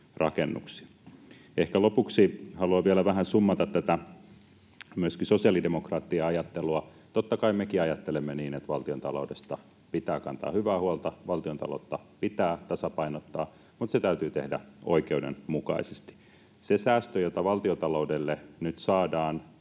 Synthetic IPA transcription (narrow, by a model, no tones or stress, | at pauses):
rɑkenːṵksi̥ | ehkælopuksihɑluɑʋielæʋæhænsumːɑt̪ɑt̪t̪ːæt̪æ | myøskisosiɑlidemokrɑːt̪ːiɑɑjɑt̪ːeluɑ | t̪ot̪ːɑkɑimekiɑjɑt̪ːelemːeniːnet̪ʋɑlt̪iont̪ɑ̰lo̰udest̪ɑ | pit̪æːkɑ̰nt̪ɑ̰ːhyʋæːhuolt̪ɑʋɑlt̪iont̪ɑ̰lo̰ut̪ːɑpit̪æːt̪ɑsɑpɑinot̪ːɑː | mut̪set̪æyt̪yːt̪ḛhdæ̰ʔo̰ikeudḛnmukɑ̰isest̪i̥ | sesæːst̪øjot̪ɑʋɑlt̪iot̪ɑloudelːenyt̪sɑːdɑːn